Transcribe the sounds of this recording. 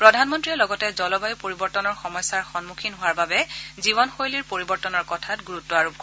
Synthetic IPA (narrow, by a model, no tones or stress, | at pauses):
pɹɔdʱanmɔntɹiɛlɔɡɔtɛzɔlɔbajupoɹibɔɹtɔnɔɹxɔmɔjsaɹxɔnmukʰinɦowaɹbabɛziβɔnxojliɹpoɹibɔɹtɔnɔɹkɔtʰatɡuɹutːɔaɹob̚k